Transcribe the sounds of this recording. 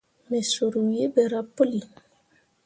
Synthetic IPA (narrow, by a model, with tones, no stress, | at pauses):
me˨so˨ɾu˨wje˦be˨ɾa˦po˦li˨